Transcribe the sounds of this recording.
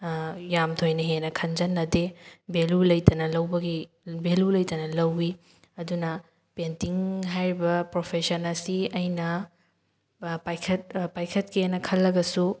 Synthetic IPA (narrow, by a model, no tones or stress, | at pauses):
jamtʰojnɐɦenɐkʰɐnd͡ʒɐnːɐdebelulɐjtɐnɐlɐwbɐɡi | belulɐjtɐnɐlɐwi | ɐdunɐ | pentiŋɦajɾibɐpɾopʰesɐnɐsiɐjnɐ | pajkʰɐt̚pajkʰɐt̚kienɐkʰɐlːɐɡɐsu